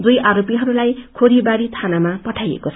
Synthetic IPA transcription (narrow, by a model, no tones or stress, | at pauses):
d̪ujʔaɾopiɦʌɾulajkʰoɾibaɾit̪ʰanamapʌʈʰajḛkot͡sʰ